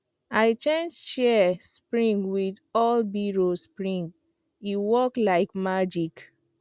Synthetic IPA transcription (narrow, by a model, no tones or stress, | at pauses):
aɪt͡ʃɛ̃nd͡ʒʃɛspɹĩŋɡwidɔlbiɹospɹĩŋɡ | iwɔklaɪkmad͡ʒik